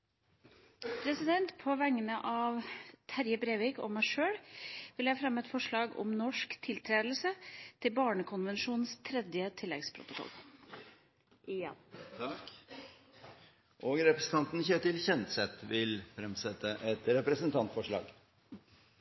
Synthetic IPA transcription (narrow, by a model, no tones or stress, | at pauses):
pʰɾɛsɪd̪ɛnt̪pʰoːʋæŋːənəʔɑːʋt̪ʰæɾjəbɾeːʋɪkɔ̰mːæɪʂøːɽʋɪljæːfɾɛmːɛt̪fɔʂɭɑːɡɔ̰mnɔʂkt̪ʰɪlt̪ʰɾeːd̪l̩sət̪ʰɪlbɑːɳəkʰʊnʋənʃuːnn̩st̪ʰɾɛd̪jət̪ʰɪlːɛ̰ɡspʰɾʊ̰t̪ʊkʰɔ̰l | ʔoːɡɾɛpɾəsn̩t̪ɑnt̪n̩çøt̪ɪlçɛnt̪sɛt̪ʋɪlfɾɛmsɛt̪ːəʔɛt̪ɾɛpɾɛsənt̪ʰɑnt̪fɔʂɭɑ̰ːɡ